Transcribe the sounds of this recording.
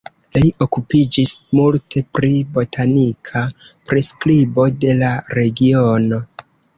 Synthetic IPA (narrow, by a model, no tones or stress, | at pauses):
liʔo̞kupid͡ʒismultʰe̞pɾibo̞tʰanikʰapɾe̞sklibo̞de̞laɾe̞ɡio̞no̞